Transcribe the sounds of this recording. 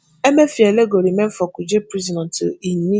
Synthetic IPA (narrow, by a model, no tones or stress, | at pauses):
emefieleɡoɾimem̩fɔkud͡ʒepɾizidɔntimi